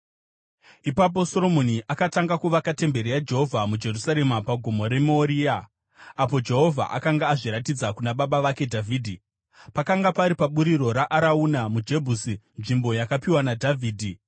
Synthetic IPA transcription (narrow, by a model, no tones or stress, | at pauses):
ipap̬o̞so̞ɾo̞mo̞niʔakataŋɡakuʋakate̞mbe̞ɾijad͡ʒe̞ɦo̞vʱamud͡ʒe̞rusaɾe̞mapaɡʱomo̞ɾe̞moɾia | apo̞d͡ʒe̞ɦo̞vʱa̰ʔa̰kaŋɡaːʐiɾatid͡zakunaɓaɓaʋake̞dʱavʱiːdʱi | pakaŋɡapaɾipaɓuɾiɾo̞ɾaʔaɾaunamud͡ʒe̞bʱusi | nʐimbo̞jakapiwanadʱavʱiːdʱi